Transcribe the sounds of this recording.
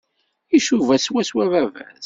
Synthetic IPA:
iʃuvæswæswævævæ̰z

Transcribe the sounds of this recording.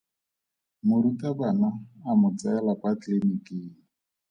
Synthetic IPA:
mʊɾutʼabanaːmʊt͡saɛlapʼatlenikʼeːŋ̩

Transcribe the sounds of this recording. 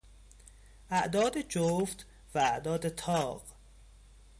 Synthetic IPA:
ʔæʔd̪ɒːd̪ed͡ʒoft̪ | vææʔd̪ɒːd̪et̪ʰɒːɢ

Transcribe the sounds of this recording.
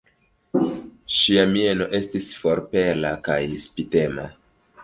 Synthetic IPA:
ʃiamie̞no̞ʔe̞stisfo̞ɾpe̞lakajspite̞ma̰

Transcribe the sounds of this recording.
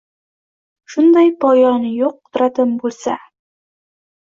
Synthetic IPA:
ʃund̪ɑjpɒjɑnjuq̚t̪ɾɑt̪ɤmbʉlsæ

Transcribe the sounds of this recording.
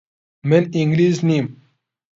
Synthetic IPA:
meniŋɡliːznim

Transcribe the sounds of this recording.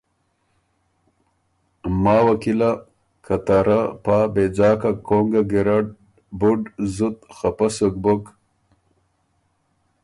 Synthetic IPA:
maːwakila | kʰɐt̪aɾapaːbed͡ʑaːkakoŋɡaɡiɾaɖ̚ | buɖzut̪xapɐsok̚bok

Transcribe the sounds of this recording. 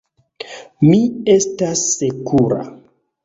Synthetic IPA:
mie̞stasːekʰuɾa̰

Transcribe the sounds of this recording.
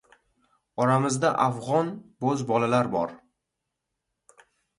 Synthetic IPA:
ɒɾamɪzd̪aʔafʁɒnbɵzbɒlalaɾbɒ̰ɾ

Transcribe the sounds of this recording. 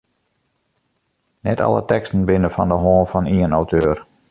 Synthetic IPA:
nɛtɑ̰lə̰tɛkstən̩bɪnəfɔndəɦɔːnfɔniənawtʰøːr

